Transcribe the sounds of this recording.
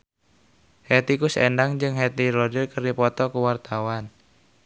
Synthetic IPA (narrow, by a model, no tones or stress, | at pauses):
het̪ikusendaŋd͡ʒɨŋɦet̪iɾɔdəlkərdipɔt̪ɔkuwart̪awan